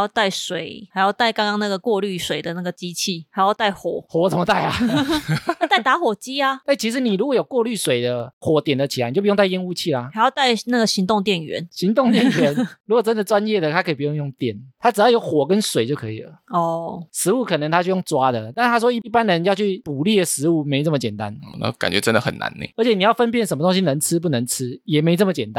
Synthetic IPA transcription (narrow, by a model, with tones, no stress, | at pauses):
jo˥˧ʊt̪a˥˩ɪswe˨˩˦ɪa˧˥ɪjo˥˧ʊt̪a˥˩ɪkɑ˥ŋkɑ˥ŋna˥˩ɡə˨kwɔ˥˧ly˥˩swe˨˩ɪd̪ə˨˦na˥˩ɡə˩t͡ɕi˦t͡ɕʰi˥˩a˧˥jo˥˧ʊt̪a˥˩ɪxwɔ̰˨˩˦xwɔ˧˦t͡sə˨˩mə˦t̪a˥˩ɪa˨˥ | t̪a˥˩t̪a˧˥xwɔ˨˩t͡ɕi˦˥a˨a˥˩t͡ɕʰi˧˥ʂ̬̩˧˦ni˨˩ɻu˧˥kwɔ˧˥˦jo˨˩ʊkwɔ˥˧ly˥˨˩swe˨˩ɪd̪ə˦xwɔ˨˩˦t̪jɛ˨˩nd̪ə˩˦t͡ɕʰi˨a˨˦ni˨o˥˩pjta˥˩jɛ˥nu˥˧t͡ɕʰi˥˩la˨a˧˥˦jɑ˥˧ʊt̪a˥˩ɪna˥˩ɡə˩ɕi˧˥ŋt̪ʊ˥˧ŋt̪jɛ˥˨nɥɛ̰˧˦nɕi˧˥ŋt̪ʊ˥˨ŋt̪jɛ˥˩nnɥɛ˧˦nɻu˧˥kwɔ˨˩ʈ͡ʂə˦nd̪ə˨ʈ͡ʂwa˦˥njɛ˥˨˩d̪ə˨t̪ʰa˦kʰɤ˧˥i˨˩pu˧jŋjʊ˥˩ŋt̪jɛ˨˩nt̪ʰa˥ʈ͡ʂɻ̩˨˩jɑ˥˩ʊjo˧˦ʊxwɔ˨˩kə˦nswe˨˩ɪt͡ɕjo˥˩ʊkʰɤ̰˧˦ḭ˨˩lə˩ɔ˥˩ʂɻ̩˧˦u˥˩kʰɤ˨˩nə˧˦ŋt̪ʰa˥t͡ɕʰjjo˥˩ŋʈ͡ʂwa˦˥d̪ə˨t̪a˥˩n˧t̪ʰa˥ʂwɔ˥i˥˩i˥˩pa˦nd̪ə˨˧˦jɑ˥˧ʊt͡ɕʰy˥˩pu˨˩li˥˩d̪ə˩ʂɻ̩˧˦u˥˩me˧˥ɪnə˥˩mə˨t͡ɕjɛ˨˩nt̪a̰˦n˨˧˩na̰˥˧ka̰˨nt͡ɕɥɛ̰˧˦ʈ͡ʂə˦nd̪ə˨xə̰˨nːʔa̰˧˦nḛ˧˩˦ə˧˥t͡ɕʰjɛ˨˩ni˨˩jɑ˥˩ʊfə˦np̬jɛ˥˩nʂə˧˦mə˧t̪o˥ŋɕi˦nə˧˦ŋt͡sʰɻ̩˥˦p̬u˥˩nə˧˦ŋt͡s̩ʰ˦jɛ˨˩me˧˥ɪnə˥˩mə˨t͡ɕjɛ˨˩nt̪a˦